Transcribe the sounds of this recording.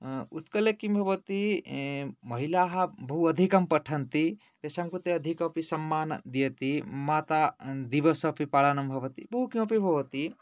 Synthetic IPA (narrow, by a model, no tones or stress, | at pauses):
ut̪kɐljekimbʱɐʋət̪i | mɐɦilaɦɐbɐɦuɐd̪ʱikɐmpɐʈʰɐnt̪i | t̪ɐsamkut̪eɐd̪ʱikɐpisɐmːaːnd̪ijet̪imaːt̪ad̪iʋɐsɐpipaɭɐnɐmbʱɐʋɐt̪ibɐɦukĩɐpibʱɐʋɐt̪i